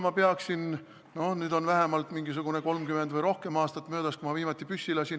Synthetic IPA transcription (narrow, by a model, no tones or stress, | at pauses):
mɑpeɑksin | no̞hnyːd̪̥o̞nvæɦemɑlt̪miŋɡis̬uɡ̥une̞ko̞lmkymend̪vɤjɾo̞hke̞mɑːst̪ɑt̪ːˑmø̞ːd̪̥ɑskumɑviːmɑt̪ːˑipysːilɑsin